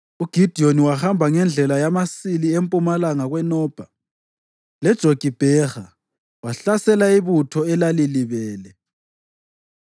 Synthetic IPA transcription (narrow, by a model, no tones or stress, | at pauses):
uɡ̥ʱid̥ʱioniwaxambʱaŋɛnd͡ɮʱɛlajamasiliempʼumalaŋaɣwɛnɔːb̥ʱa | lɛd̥ʒ̥ʱoɡ̥ʱib̥ʱɛxa | waɬasɛlaiβutʰɔɛlaliliβɛːlɛ